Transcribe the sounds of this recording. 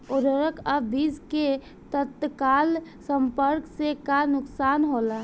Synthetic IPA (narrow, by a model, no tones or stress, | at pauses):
oɾəɾəkəbbiːske | t̪ət̪kaːlsəmpəɾksekanʊksaːnɦola